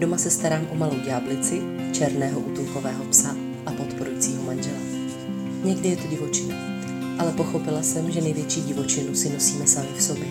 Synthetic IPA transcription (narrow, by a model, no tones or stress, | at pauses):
domasɛst̪aɾaːmʔomalowɟaːblɪt͡sɪ | t͡ʃɛɾnɛːɦo̞ʔuːt̪umko̞vɛːɦo̞psa | ʔapo̞t̪po̞ɾujit͡siːɦo̞manʒɛlɛ | ɲɛɡdɪjɛt̪oɟɪvo̞t͡ʃɪnu | ʔalɛpo̞xo̞pɪlasɛmʒɛnɛjvjɛt͡ʃiːɟɪvo̞t͡ʃɪnusɪno̞siːmɛsamɪksobjɛ